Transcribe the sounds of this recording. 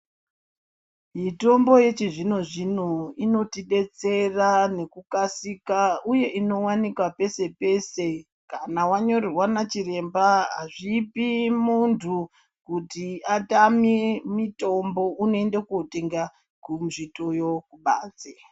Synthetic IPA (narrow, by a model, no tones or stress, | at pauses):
mito̞mbo̞je̞t͡ʃiʐino̞ʐinoino̞tiɗe̞t͡se̞rane̞kukasikauje̞ʔino̞wanikwape̞se̞pe̞se̞ | kanawaɲo̞rirwanat͡ʃire̞mbaɦa̰ʐipimuntʰu | kutiatamimito̞mbo̞unoende̞koteŋɡa | kumʐito̞jo̞kuɓa̰ːt͡se